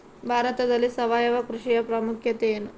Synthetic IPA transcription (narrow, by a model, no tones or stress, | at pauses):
bʱaːɾɐt̪ɐd̪ɐlːisɐʋaːjɐʋɐkɾuʂijɐpɾɐmukʰjɐt̪ejenu